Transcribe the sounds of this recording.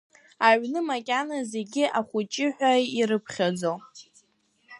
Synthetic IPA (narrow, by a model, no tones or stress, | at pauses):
aɥnɨmakʲʼanaze̞ɡʲɪʔaχʷʊt͡ʃʼɪħᶣʷaiɾɨpʰχʲad͡zow